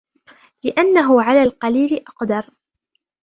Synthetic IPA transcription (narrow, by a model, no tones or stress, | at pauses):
lɪʔanːaɦʊʕalaːlqɑliːlɪʔɑqd̪ɑɾˤ